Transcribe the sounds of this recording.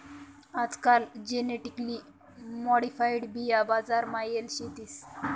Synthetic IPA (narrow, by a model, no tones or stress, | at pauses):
ad͡zkald͡ʑeneʈikli | mɔɽifajɽbiabad͡zaɾmajelɕet̪is